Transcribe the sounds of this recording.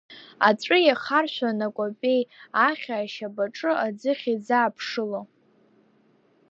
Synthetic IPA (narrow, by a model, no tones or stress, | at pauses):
aʈ͡ʂʷʼɨjaχarʃʷᶣanakʷʼopʲʼe̞jaχʲaːʃabaʈ͡ʂʼɨad͡zɨχʲid͡zaːpʰʂɨlo